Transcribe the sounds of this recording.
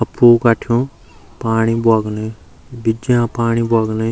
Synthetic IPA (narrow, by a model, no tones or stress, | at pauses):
əpʰːoːkaːʈʰjõː | paːɳiːbʊaːɡneː | bɪd͡ʒjãːpaːɳiːbʊaːɡne